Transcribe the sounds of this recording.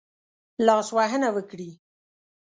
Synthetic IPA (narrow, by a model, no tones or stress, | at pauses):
lɑswaɦənawəkɽi